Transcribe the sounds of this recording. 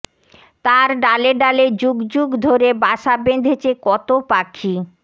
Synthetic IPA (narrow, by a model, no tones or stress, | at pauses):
t̪aɾɖaleɖaled͡ʑuɡd͡ʑuɡd̪ʱoɾebaʃabend̪ʱet͡ɕʰekɔt̪opakʰi